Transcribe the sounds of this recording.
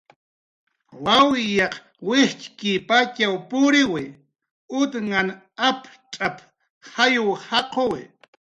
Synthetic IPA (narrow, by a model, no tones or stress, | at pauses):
wawjɑq | wɪht͡ʃkɪpat͡ʃawpʊɾɪwɪ | ʊt̪ŋan | apʈ͡ʂʼap | hajʊhɑqowɪ̰